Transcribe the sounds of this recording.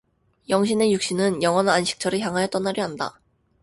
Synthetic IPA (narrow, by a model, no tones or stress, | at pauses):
jʌŋɕ̬ʰinejuk̚ɕ͈inɯnjʌŋʌnanɕʰi̥k̚t͡ɕ͈ʰʌɾɯçjaŋɦajʌt͈ʌnːaɾjiɦanda̰